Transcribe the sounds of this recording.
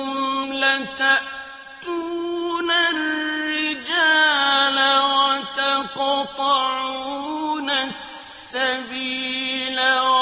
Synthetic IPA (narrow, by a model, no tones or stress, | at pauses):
ʊmlat̪aʔ | t̪uːnarːɪd͡ʒaːlawat̪aqt̪ˤɑʕuːnasːabiːlaw